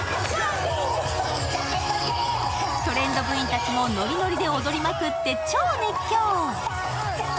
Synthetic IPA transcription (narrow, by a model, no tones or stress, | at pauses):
t̪o̞ɾẽ̞nd̪o̞bɯ̟̃ɰ̃ĩnt̪at͡ɕimo̞no̞ɾʲino̞ɾʲid̪e̞o̞d̪o̞ɾʲimakɯ̟t̪ːe̞t͡ɕo̞ːnekʲːoː